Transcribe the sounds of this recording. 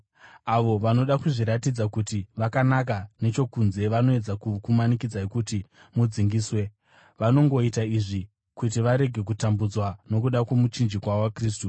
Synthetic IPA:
aʋo̞ʋano̞ɗakuʐiɾatid͡zakutiʋakanak̬ane̞t͡ʃo̞kunze̞ʋano̞e̞d͡zakukumanikid͡zaekuti | mud͡ziŋɡiːswe̞ | ʋano̞ŋɡo̞itaiʐi | kut̬iʋaɾe̞ɡʱe̞k̬utambud͡zwano̞kuɗakwe̞mut͡ʃind͡ʒikwaoakriːstu

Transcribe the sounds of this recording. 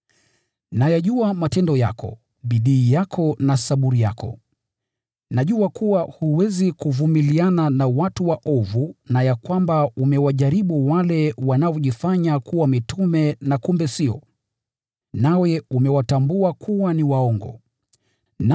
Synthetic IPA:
najaʄuamatɛndɔja̰kʰɔ̰ | ɓiɗiːjakʰɔnasaɓuɾija̰kɔ̰ | naʄuakuwahuwɛzikuvumiliananawatuwaʔɔvunajakwambaumɛwaʄaɾiɓuwalɛwanaɔʄifaɲakuwamitumɛnakumbɛsiɔ̰ | nawɛumɛwatambuakʰuwaniwaɔŋɡɔ̰ | n

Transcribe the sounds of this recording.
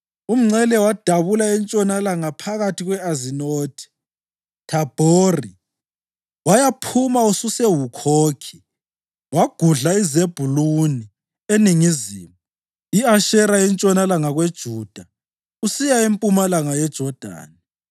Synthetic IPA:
um̩ŋ͡ǀɛlɛwad̥ʱaβulaɛnt͡ʃʼɔnalaŋapʰaɣatʰiɣwɛazinoːtʰi̥ | tʰab̥ʱoːri | wajapʰumaususɛwukʰoːkʰi̥ | waɡ̥ʱuɮaizeb̥ʱuluni | eniŋiziːmu | iaʃɛɾajɛnt͡ʃʼɔnalaŋaɣwed̥ʒ̥ʱud̥ʱa | usijaempʼumalaŋajɛd̥ʒ̥ʱɔd̥ʱa̰ːna

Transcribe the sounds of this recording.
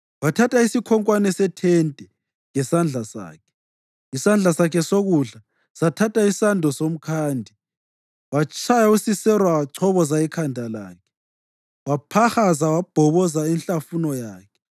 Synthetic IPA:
watʰatʰʼaisikʰɔŋkʼwanɛsɛtʰɛntʼɛ | ŋɛsand͡ɮʱasa̰ːkʰɛ̥ | isand͡ɮʱasakʰɛsoɣuɮa | satʰatʰʼaisandʱɔsom̩kʰaːndʱi | wat͡ʃʰʼajausisɛrwat͡ʃʰɔβɔzaikʰandʱala̰ːkʰɛ̥ | wapʰaxazawab̥ʱɔβɔzaɛnɬʼafunɔjaːkʰɛ̥

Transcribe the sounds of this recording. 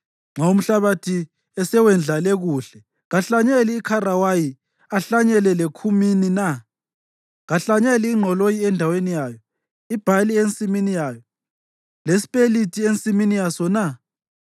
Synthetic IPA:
ŋ͡ǁʱaum̩ɬaβatʰi | ɛsɛwɛnd͡ɮʱalɛɣuːɬɛ | ɣaɬaɲɛliːkʰarawaji | aɬaɲɛlɛlekʰuminina | ɣaɬaɲɛliːŋ͡ǃʱɔlojiɛndʱawenijaːjɔ | ib̥ʱalient͡sʼiminijaːjɔ | lesi̥pʼelitʰʼient͡sʼiminijasɔna

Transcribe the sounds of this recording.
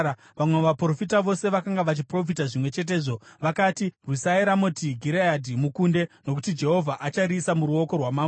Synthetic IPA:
ʋamweʋapro̞fitaʋo̞se̞ʋakaŋɡaʋat͡ʃipro̞f̬itaʐimwe̞t͡ʃe̞t̬e̞ːʐo̞ʋakaːtirusaiɾamotiɡʱiɾejadʱimukunde̞no̞k̬u̥tid͡ʒe̞ɦo̞vʱaʔat͡ʃaɾisamuɾuo̞ko̞rwamaːm

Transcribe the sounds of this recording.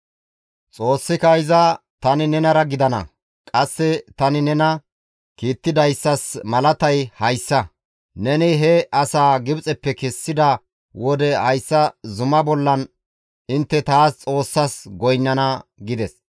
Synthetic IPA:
t͡sʼo̞ːsːɪkɐjzɐ | t̪ɐnɪnɛnɐɾɐɡɪd̪ɐnɐ̰ | kʼɐsːɛt̪ɐnɪnɛnɐ | kiːt̪ːɪd̪ɐjsːɐsmɐlɐt̪ɐjhɐjsːɐ | nɛnɪɦɛɐsaːɡɪbt͡sʼɛpːɛkɛsːɪd̪ɐ | wɔd̪ɛʔɐjsːɐzʊmɐbɔlːɐn | ɪnt̪ːɛt̪aːst͡sʼo̞ːsːɐsɡɔjnːɐnɐɡɪd̪ɛs

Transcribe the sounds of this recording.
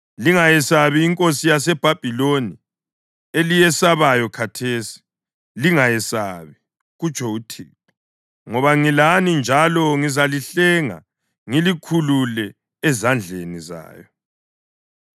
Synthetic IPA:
liŋajɛsaβiːŋkʼosijasɛb̥ʱab̥ʱiloni | elijɛsaβajɔkʰatʰesi̥ | liŋajɛsa̰βi | ɣut͡ʃʰʼɔutʰiːp̚ɔ | ŋɔβaŋilanind͡ʒʱalɔŋizaliɬɛŋa̰ | ŋilikʰululɛː | zand͡ɮʱeniza̰ːjɔ

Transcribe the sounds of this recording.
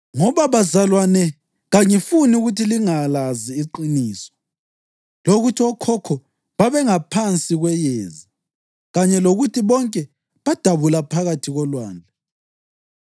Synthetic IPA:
ŋɔβaβazalwanɛ | ɣaŋifuniuɣutʰiliŋalaziːǃiniːsɔ̥ | loɣutʰiɔkʰɔkʰɔ | βaβɛŋapʰant͡sʼiɣwɛjeːzi | ɣaɲɛloɣutʰiβɔŋkʼɛ | βad̥ʱaβulapʰaɣatʰiɣɔlwaːnd͡ɮʱa

